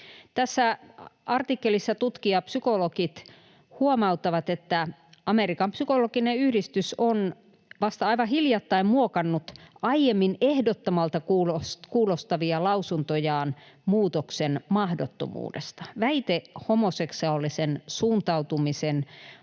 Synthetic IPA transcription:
t̪æsːæʔɑrt̪ikːelisːɑt̪ut̪kiɑpsykolokit̪ | huomɑut̪ːɑʋɑt̪et̪ːæ | ɑmerikɑmpsykolokineyhdist̪yson | ʋɑst̪ɑɑiʋɑhiljɑt̪ːɑimmuokɑnːut̪ʔɑijemːinehdot̪ːomɑlt̪ɑkuːloskuːlost̪ɑʋiɑlɑusunt̪ojɑːn | muːt̪oksenmɑhdot̪ːo̰mṵːdest̪ɑ̥ʋæit̪ehomoseksɑolːisensuːnt̪ɑut̪umisen

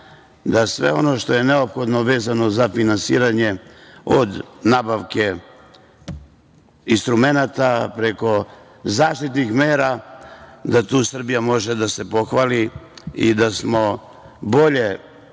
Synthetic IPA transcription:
d̪asʋe̞̰o̞no̞ʃt̪o̞je̞ne̞opxo̞d̪no̞ʋe̞ːzano̞zafinansḭːɾaɲe̞od̪nabaʋke̞ | inst̪ɾume̞nat̪apɾe̞ko̞ | zaːʃt̪it̪nixmeːɾa | d̪at̪uːsr̩bijamo̞ʒed̪ase̞po̞xʋaliḭd̪asmo̞ | bo̞ʎe̞

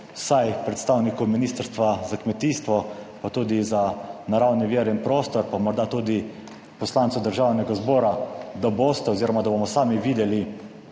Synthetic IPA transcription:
wsajpɾɛt̪st̪aːwnikuminiːst̪əɾst̪ʋazakmɛt̪iːst̪ʋɔpat̪uːd̪izanaɾawniʋiːɾinpɾoːst̪ɔɾpamɔɾd̪at̪uːd̪i | pɔslaːnt̪sud̪əɾʒaːwnɛɡazbɔːɾad̪aboːst̪ɛoziːɾɔmad̪abomɔsaːmiʋiːd̪ɛli

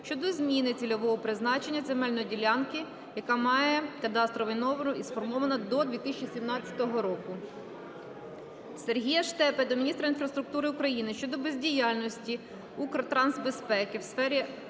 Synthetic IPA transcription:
ʃt͡ʃɔd̪ɔzmʲinɪt͡sʲilʲɔʋɔɦɔpɾɪznɑt͡ʃe̞nʲːɐzemɛlʲnɔidʲilʲɑnkɪ | jɐkɑmɑjɛkɐd̪ɑst̪ɾɔʋʲinɔʋɐnʊisfɔrmɔʋɐnɐd̪ɔd̪ʲʋʲit̪isʲt͡ʃisʲimnɑt͡sʲɐ̥t̪ɔɦɔɾɔkʊ | serɦʲijɐʃt̪ɛped̪ɔmʲinʲist̪ɾɐinfɾɐst̪ɾʊk̚t̪uɾɪʊkɾɐjinɪʃt͡ʃɔd̪ɔbezʲdʲijɑlʲnɔsʲtʲi | ukɾɔt̪ɾɑnzbespɛkɪwsfɛɾʲi

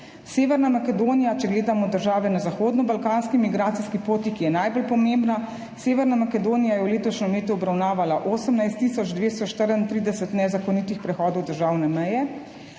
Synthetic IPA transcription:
seːʋɛɾnamakɛd̪oːnijat͡ʃɛɡleːd̪amɔd̪əɾʒaːʋɛnazaxoːd̪nɔbalkaːnskimiɡɾaːt̪siskipoːt̪ikijɛnajbolpɔmẽmbna | seːʋɛɾnamakɛd̪oːnijajɛwleːt̪ɔʃnɔmeːt̪uɔbɾawnaːʋalaʔoːsəmnajst̪ːiːsɔd͡ʒd̪ʋeːst̪ɔʃt̪əɾənt̪ɾiːd̪ɛsət̪nɛzakɔnit̪ixpɾɛxɔːd̪ɔwd̪əɾʒaːwnɛmɛjɛ

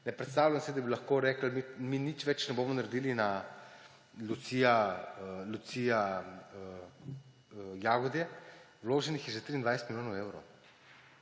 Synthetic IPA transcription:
nɛpɾɛt̪st̪aːwlʲamsɛd̪abilɐxkoːɾɛːkəl̩miminit͡ʃʋɛt͡ʃnɛboːmɔnaɾed̪ilina | lut̪sija | lut̪sija | jaɡɔd̪jɛ | wloːʒɛnixjɛʒɛt̪ɾiːnd̪ʋajsɛt̪miljoːnɐwewɾow

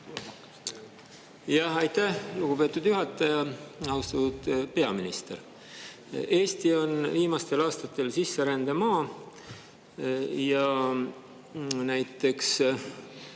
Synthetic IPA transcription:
jɑhɑjt̪ːæhluɡ̥ube̞ːt̪ːˑud̪̥juɦɑt̪ːˑɑjɑɑwst̪ɑt̪ud̪̥pe̞ɑminist̪e̞̰ɾ | e̞ːst̪io̞nviːmɑst̪e̞lɑːst̪ɑt̪ːˑe̞lsisːe̞ɾænd̪̥emɑː | jɑ | næjt̪ːˑe̞ks

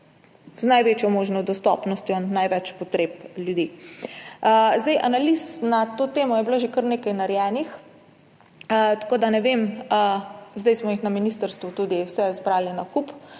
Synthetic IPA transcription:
znajʋeːt͡ʃjɔmoːʒnɔd̪ɔst̪ɔ̰pnɔst̪jɔnnːajʋɛt͡ʃpɔt̪ɾeːpljud̪i | əzd̪ajʔanalisnat̪oːt̪eːmɔjɛblaʒekəɾneːkajnaɾjɛnix | ət̪ḁkoːd̪anɛʋeməzd̪ajsmɔixnaminist̪əɾst̪ʋut̪ud̪iwsɛzbɾaːlinakup

